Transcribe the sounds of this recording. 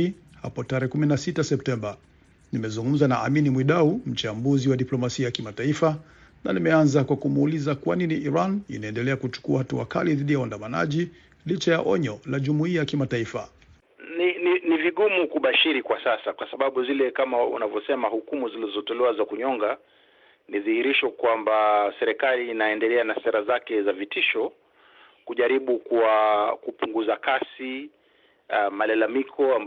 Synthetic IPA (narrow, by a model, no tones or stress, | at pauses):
i | ha̰pɔtaɾɛhɛkuminasitasɛp̚tɛmba | nimɛzuŋɡum̩zanaʔaminimwiɗaum̩t͡ʃambuziwaɗiplɔmasiajakimataifa | na̰nimɛanzakwakumulizakwaniniʔiɾanḭnaɛndɛlɛakut͡ʃu̥kuahatua̰kaliðiɗijawandamana̰ʄi | lit͡ʃajaʔɔ̰ɲɔlaʄumuiajakimataifa̰ | nininiviɠumukuɓaʃiɾikwasasakwasaɓaɓuzilɛkamaṵnavjɔsɛmahukumuzilizɔtɔlɛwazakuɲɔŋɡa | nizihiɾiʃɔkwambasɛɾɛkalinaɛndɛlɛanasɛɾazakɛzavitiʃɔ | kuʄaɾiɓukuwakupuŋɡuzakasi | malalamikʰɔam